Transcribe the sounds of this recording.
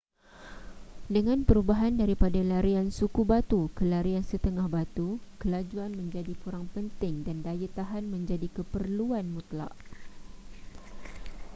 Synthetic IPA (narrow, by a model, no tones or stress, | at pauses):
dəŋãnpəɾubaɦandaɾipadalaɾiansukubat̪ukəlaɾiansət̪əŋahbat̪ukəlad͡ʒuanmə̃ɲd͡ʒadipuɾaŋpənt̪ɪŋdandajət̪aɦanmə̃ɲd͡ʒadikəpərluanmũt̪la̰ʔ